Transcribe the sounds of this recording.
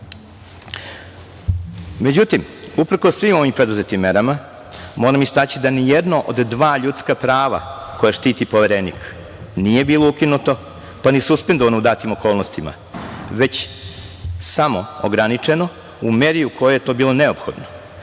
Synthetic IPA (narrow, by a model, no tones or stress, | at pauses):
me̞d͡ʑut̪im | upr̩kosːʋimo̞ʋimpɾe̞d̪uzet̪imːe̞ɾama | mo̞ːɾamist̪aːt͡ɕid̪anijed̪noʔod̪ːʋaːʎut̪skapɾaːʋa̰ko̞jaʃt̪iːt̪ipoʋeɾenḭk | nije̞biːlˠo̞ukinut̪o̞ | panisuspend̪o̞ʋanoud̪aːt̪imo̞ko̞ːlˠnost̪ima̰ | ʋe̞t͡ɕ | samo̞oɡɾanit͡ʂe̞no̞ | umeːɾijukʰo̞jojet̪o̞ːbiːlˠo̞ne̞o̞pxo̞̰d̪no